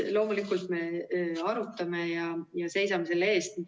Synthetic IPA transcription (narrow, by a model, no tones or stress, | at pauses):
lo̞ːmulikːˑult̪me̞ɑɾut̪ːˑɑme̞jɑjɑse̞jsɑme̞se̞lːee̞ːst̪